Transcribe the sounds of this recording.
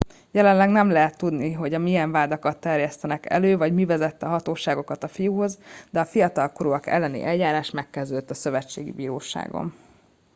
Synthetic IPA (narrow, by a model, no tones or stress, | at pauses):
jɛlɛnlɛɡnɛmlɛɦɛt̪ːud̪niɦo̞ɟɒmiɛɱvaːd̪ɒkɒt̪ːɛrjɛst̪ɛnɛkɛ̰løːvɒɟmivɛzɛt̪ːɛɒɦɒt̪oːʃaːɡo̞kɒt̪ɒfijuɦo̞zd̪ɛɒfijɒt̪ɒlkoɾoːɒkɛ̰lːɛnḭʔɛljaːɾaːʃmɛkːɛzd̪øːd̪t̪ːɒsø̞vɛt͡ʃːeːɡḭbiːɾoːʃa̰ːɡo̰n